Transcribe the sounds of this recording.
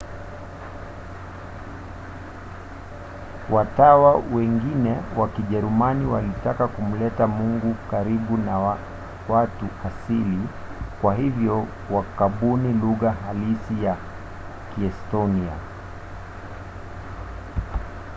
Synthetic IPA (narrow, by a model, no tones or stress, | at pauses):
watawawɛŋɡinɛwakiʄɛɾumaniwalitakakum̩lɛtamuŋɡukaɾiɓuna | watuʔasili | kwaɦivjɔ | wakaɓuniluɣaɦalisija | kiɛstɔnia̰